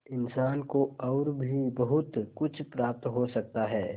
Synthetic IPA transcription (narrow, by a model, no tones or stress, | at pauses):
ɪnsaːnkoɔːɾbʱibɐɦʊt̪kʊt͡ʃʰpɾaːp̚t̪ɦosɐk̚t̪aɦɛː